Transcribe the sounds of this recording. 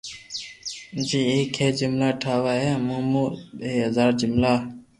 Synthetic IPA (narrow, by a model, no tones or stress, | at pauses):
d͡ʒiːeːkʰheːd͡ʒɪmlaːʈʰaːʋaːɦeːmõːmuːeːɦəzaːɾd͡ʒɪmlaː